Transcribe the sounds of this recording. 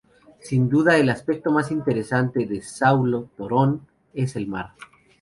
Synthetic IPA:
sind̪uðaelaspek̚t̪o̞masint̪e̞ɾe̞sant̪e̞ðe̞sawlot̪oɾon | e̞se̞lmaɾ

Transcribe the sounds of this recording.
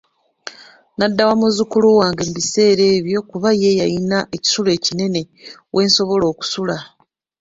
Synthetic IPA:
nadːawamuzukuluwaːŋɡembise̞ːɾe̞ːβjo̞kuβaje̞jainaʔeci̥sule̞ːcine̞ne̞ | wʔe̞ːnso̞βo̞lo̞ːku̥sula

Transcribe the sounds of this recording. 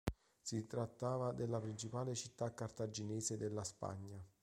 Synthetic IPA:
sit̪ɾat̪ːaːvad̪elːapɾint͡ʃipaːlet͡ʃit̪ːakːart̪ad͡ʒinɛːsed̪elːaspa̰ɲːa

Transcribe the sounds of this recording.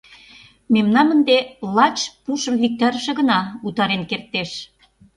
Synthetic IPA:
memnɑmənd̪elɑt͡ɕpuʃə̆mvik̚t̪ɑɾəʃĕɣə̆nɑut̪ɑɾenkert̪ːeʃ

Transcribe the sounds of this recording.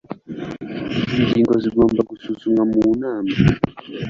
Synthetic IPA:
ind͡ʒiŋɡwazimambaɡususuŋamuːnaːma

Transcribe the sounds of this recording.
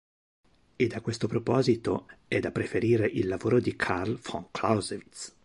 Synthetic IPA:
ed̪akwest̪opɾopɔːzit̪oɛd̪ːapːɾefeɾiːɾeʔilːavoːɾod̪ikʰarlfɔŋkʰlawzevit̪s

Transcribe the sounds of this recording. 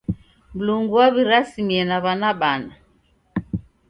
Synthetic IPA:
m̩luŋɡuwaβiɾasimiɛnaβanaɓana

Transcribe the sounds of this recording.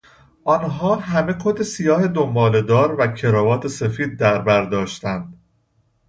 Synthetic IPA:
ʔɒnɦɒːɦæme̞kʰod̪esijɒːhe̞d̪o̞mbɒːle̞d̪ɒːɾvæcʰe̞ɾɒːvɒːt̪ʰe̞se̞fiːd̪̚ːæɾbæɾd̪ɒːʃt̪ænd̪

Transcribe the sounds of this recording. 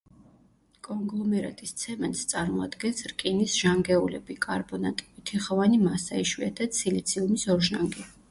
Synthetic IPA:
kʼɔŋɡlˠɔmɛɾa̰t̪ʼist̪sʰɛmɛnst̪sʼaɾmɔad̪ɡɛnsɾkʼinisʒ̥aŋɡɛulɛbikʼaɾbɔnat̪ʼiut̪ʰiχɔvanimasaiʃwiat̪ʰat̪sʰilit̪sʰiumisɔɾʒaŋɡɛ

